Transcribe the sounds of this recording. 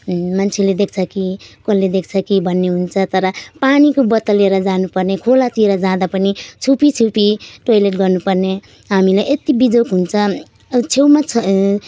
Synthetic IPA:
mant͡sʰeled̪ekʰt͡sʰʌkikolːed̪ek̚ʰt͡sʰʌkibʱʌnːeɦunt͡sʰʌt̪ʌɾʌpanikobʌt̪ʌleɾʌd͡zanupʌrnekʰolat̪iɾʌd͡zãd̪apʌnit͡sʰupit͡sʰupiʈojleʈ̚ɡʌrnupʌrne | ɦamilajʔet̪ibid͡zokɦunt͡sʰʌ | t͡sʰewmat͡sʰʌ

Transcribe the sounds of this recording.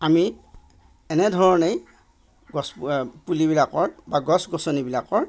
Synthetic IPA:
ami | ɛnɛdʱɔɹɔnej | ɡɔspulibilakɔɹbaɡɔsɡɔsɔnibilakɔɹ

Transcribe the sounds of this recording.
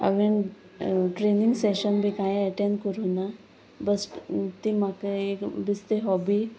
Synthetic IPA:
ə̰ʋen | ʈɾeniŋɡseɕənbʱikajəʈẽnɖkəɾuna | bəst̪imakəekbist̪eɦɔbi

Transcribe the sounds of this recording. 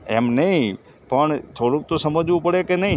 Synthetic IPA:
ḛmnəĩ | pəɳt̪ʰoːɽũk̚t̪osəməd͡ʒʋũpəɽekenəĩ

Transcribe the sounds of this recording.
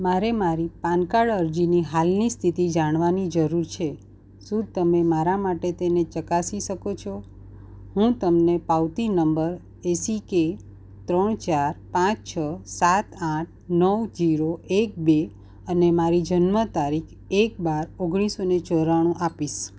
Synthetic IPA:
maɾemaɾipãnkaɭəɾd͡ʒiniɦalnist̪ʰit̪id͡ʒaɽ̃ʋanid͡ʒəɾuɾt͡ʃʰe | sũt̪əmemaɾamaʈet̪enet͡ʃəkasiʃəkot͡ʃʰo | hũt̪əmnepawt̪inəmbəɾ | esike | t̪ɾəɳ̃t͡ʃaɾpãt͡ʃt͡ʃʰəsat̪ãʈʰnəʋd͡ʒiɾoʔek̚be | ənemaɾid͡ʒənmət̪aɾikʰ | ek̚baɾoɡɽ̃isonet͡ʃəɾaɽ̃ũʔapiʃ

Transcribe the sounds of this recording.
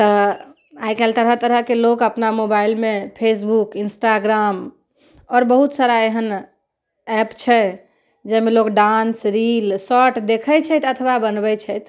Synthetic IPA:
t̪ɔ | ajkɛlt̪əɾət̪əɾəɦkelokəpnamobailmepʰesbukinsʈaɡɾam | ɔːɾbəɦut̪saɾaeɦən | ɛpt͡ʃʰɛ | d͡ʒɛmelokɖansɾilsɔʈd̪ekʰət͡ʃʰɛt̪ət̪ʰʋabənbɛt͡ʃʰɛjt̪

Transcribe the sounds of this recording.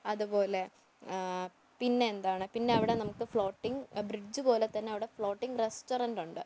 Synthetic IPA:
ɐðupo̞ːle̞ | pinːe̞ːnd̪aːɳɨpinːe̞ɐʋiɽe̞nɐmukːɨfɭo̞ːʈːiŋbrid͡ʑːubo̞ːlet̪ːɐnːeɐʋiɽe̞fɭo̞ːʈːiŋɡresʈorɐnduɳɖɨ

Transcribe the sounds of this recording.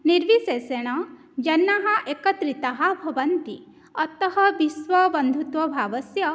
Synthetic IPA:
niɾʋiseseɽ̃ɐ | d͡ʒɐnːɐɦɐʔekɐt̪ɾit̪ɐɦɐbʱɐʋɐnt̪ḭ | ɐt̪ɐɦɐbisʋɐbɐnd̪ʱut̪ʋɐbʱaːʋɐsjɐ

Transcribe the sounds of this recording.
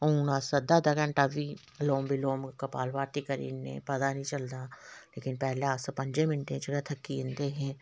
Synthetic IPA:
uːnaːsɐd̪ad̪ɐɡə̃ɳʈaʋi | loːmbʱiloːmkɐpa̰ːlʋaːʈ̪ikəɾḭːnːḛ̃pɐd̪anĩt͡ʃɐld̪aleːkɪnpɛɦleaːsepɐ̃ɲd͡ʒemɪnʈẽd͡ʒɐɡat̪ʰɐkːiɪnd̪eɦɛ̃ː

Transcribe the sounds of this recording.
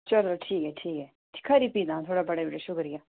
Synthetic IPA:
t͡ʃɐlɾoʈʰiːkɦɛʈʰiːkɦɛː | ʈɪ̥kʰːaɾipiːd̪ãːt̪ʰoːɽabɐɽabɪʈeʃʊkɾijaː

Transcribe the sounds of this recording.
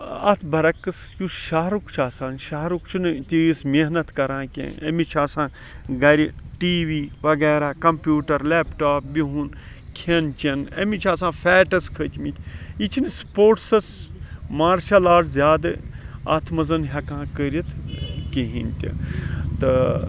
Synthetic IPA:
ɐ̰t̪ʰbɐɾɐkːɨsjusʃaːɦɾukt͡ʃʰaːsaːnʃaːɦɾukt͡ʃʰunɨt̪iismeɦnɐt̪kɐɾãːkʲḛ̃ːɐ̰mit͡ʃʰaːsãː | ɡɐɾʲiʈiːʋiːʋɐɡɛːɾaːkɐmpʲjuːʈɐɾleːpʈaːp̚biɦun | kʰent͡ʃɐnɐ̰mit͡ʃʰaːsãːfʰɛːʈɐskʰəːt̪ʰmit̪ʲʰit͡ʃʰinɨspoːɾʈsɐsmaːɾʃɐlaːɽzʲjaːd̪ɨɐ̰t̪ʰmɐzɐnɦɐkãːkəːɾʲit̪ʰkeɦinʲt̪ʲḭt̪ɨ

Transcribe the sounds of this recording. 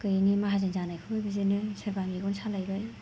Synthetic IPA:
kɯjnimaɦazenzanajkʰɯajbizenɯsaɾbamiɡɔnsʰalajɾɯj

